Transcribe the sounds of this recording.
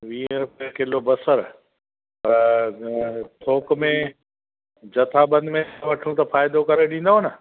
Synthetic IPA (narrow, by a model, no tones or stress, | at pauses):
ʋiːnɾʊpiekɪlobɐsəɾ | pɐɾ | t̪ʰoːkmẽ | d͡ʑɐt̪ʰabɐ̃nd̪mẽʋɐʈʰũt̪ɐfaːjɪd̪okɐɾeɗĩːn̆d̪aɦonə